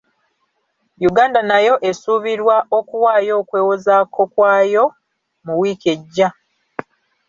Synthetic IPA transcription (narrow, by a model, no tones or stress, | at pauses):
juɡaːndanajo̞ʔe̞suːβiɾwaʔo̞kuwaːjo̞ːkwe̞ːwozakʰo̞kwaːjo̞ | muwiːkeɟːa